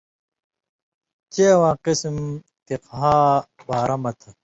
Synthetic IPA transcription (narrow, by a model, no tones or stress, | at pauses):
t͡ɕeɐwãːqism | t̪iqɦaːbaːɾɐmɐt̪ʰɐ